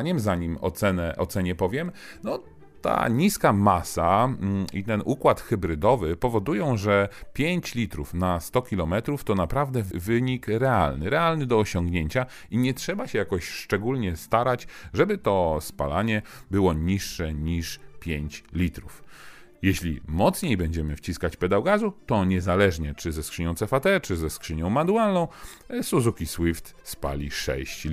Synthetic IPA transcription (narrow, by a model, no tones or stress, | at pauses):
ɲɛmzaɲimɔ̰t̪sɛnɛʔɔt̪sɛɲɛpɔvʲjɛm | nɔ | t̪a̰ɲiskamasaḭt̪ɛnʔukwat̪xɛbɾɘd̪ɔvɘpɔvɔd̪ujɔ̃w̃ʐɛpʲjeɲt͡ɕlʲit̪ɾufnast̪ɔkʲilɔmɛt̪ɾuft̪ɔnapɾavd̪ɛvɘɲikɾɛa̰lnɘɾɛalnɘd̪ɔːɕɔŋɡɲeɲt͡ɕa | iɲɛtʂɛbaɕɛjakɔɕʂt͡ʂɛɡulɲɛst̪aɾat͡ɕʐɛbɘt̪ɔspa̰la̰ɲɛbɘwɔɲiʂːɛɲiʂpʲjeɲt͡ɕlʲit̪ɾuf | jɛɕlʲḭmɔt̪sɲejbɛɲd͡ʑɛmɘft͡ɕiskat͡ɕpɛd̪awɡazut̪ɔɲɛzalɛʐɲɛt͡ʂɘzɛskʂɘɲɔ̃t̪sɛfat̪ɛt͡ʂɘzɛskʂɘɲɔ̃w̃mad̪ualnɔ̃w̃ | suzukʲiswift̪spa̰lʲiʂɛ̰ɕt͡ɕ